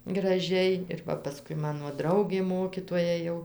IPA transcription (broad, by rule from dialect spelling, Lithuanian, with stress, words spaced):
ɡrɐˈʒʲɛɪ ɪr ˈʋɐ pɐˈskʊɪ ˈmɑːnoː ˈdrɐʊɡʲeː ˈmoːkʲɪtoːjɛ jɛʊ